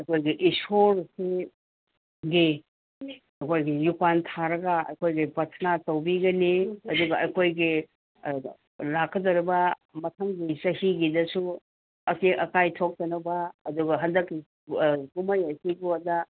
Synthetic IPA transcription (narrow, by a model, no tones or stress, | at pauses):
ɐjkʰojɡiʔisoɾse | ɡi | ɐkʰojɡijukwantʰaɾɐɡɐɐ̰jkʰojɡipɐtʰnatɐwbiɡɐniɐduɡɐɐjkʰojɡi | lakʰːɐdɐɾibɐ | mɐtʰɐŋɡisɐhiɡidɐsu | ɐkiʔɐkajtʰok̚tɐnɐbɐːduɡɐɦɐndɐkːi | kumɐjɐsiɡuɐdɐ